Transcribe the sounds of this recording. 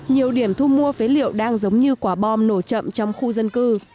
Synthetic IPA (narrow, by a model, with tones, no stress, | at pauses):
ɲi˨˩əwɗi˧˩əmt̪ʰu˧mu˧əfe˨˦lḭ˧˨əwɗaː˧ŋzə˨˦wŋ͡mɲɨ˧kwaː˧˩ɓɔ˧mno˧˩t͡ɕə̰˧˨mt͡ɕɔ˧wŋ͡mxu˧zə˧nkɨ˧